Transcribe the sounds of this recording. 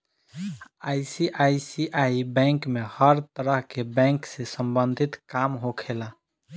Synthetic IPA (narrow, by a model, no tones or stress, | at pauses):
ajsiʔaisiʔaibɛ̃ŋkmehəɾt̪əɾəɦkebɛ̃ŋksẽsəmbənd̪ʱit̪kamɦokʰela